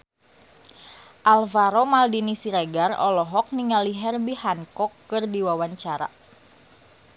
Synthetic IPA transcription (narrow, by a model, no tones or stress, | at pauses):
ʔalvaɾomaldinisiɾaɡarɔ̰lɔɦɔk̚niŋaliɦɛrbihaŋkɔkːɨrdiwawaɲt͡ʃaɾa̰